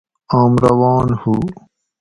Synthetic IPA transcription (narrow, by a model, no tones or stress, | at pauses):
aːmɾɐwaːnhu